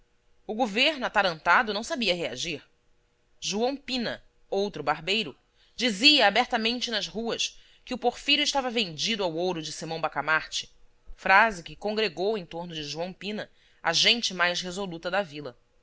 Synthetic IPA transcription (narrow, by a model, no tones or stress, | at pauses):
ʊɡoveɾnʊat̪aɾɐ̃nt̪ad̪ʊnɐ̃w̃sabiɐɦea̰ʒiɾ | ʒuɐ̃w̃pĩnɐ | owt̪ɾʊbaɦbejɾʊ | d͡ʒiziɐːbɛɾt̪amẽnt͡ʃɪnɐzɦuɐs | kɪʊpoɾfijɾʊɪʃt̪avɐvẽnd͡ʒid̪ʊawowɾʊd͡ʒɪsimɐ̃w̃bakamaɾt͡ʃɪ̥ | fɾazɪkɪkõŋɡɾeɡowẽj̃t̪oɾnʊd͡ʒɪʒuɐ̃w̃pĩnɐ | a̰ʒẽnt͡ʃɪmajʃɦezolut̪ɐd̪ɐvilɐ